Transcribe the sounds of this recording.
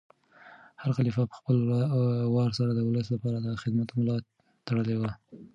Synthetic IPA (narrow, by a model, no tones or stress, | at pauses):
haɾxalifapə̥xpəl | wɑɾsaɾad̪əwʊləslapɑɾad̪axɪd̪mat̪mlɑ | t̪aɽəlewa